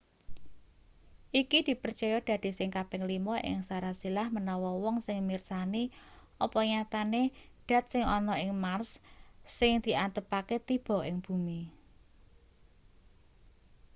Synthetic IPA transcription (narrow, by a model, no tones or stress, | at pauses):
ʔikid̪̥i̤pərt͡ʃɔjɔd̪̥ä̤d̪̥i̤sɪŋkabɛŋlimɔʔɪ̰ŋsaɾasilahmənɔwɔwɔŋsɪŋmirsani | ʔɔpɔɲat̪ane | ɖ̪̥a̤t̪̚sɪŋɔnɔɪŋmarsː | ɪŋd̪̥i̤ant̪əpaket̪ib̥ɔ̤ɪŋb̥umi